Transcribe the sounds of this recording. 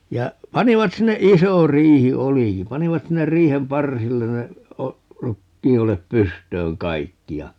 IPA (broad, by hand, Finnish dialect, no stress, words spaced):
jɑ pɑniʋɑt sinːe iso riːhi oliki pɑniʋɑt sinːer riːhem pɑrsilːen ne o rukːiːolep pystøːŋ kɑikːi jɑ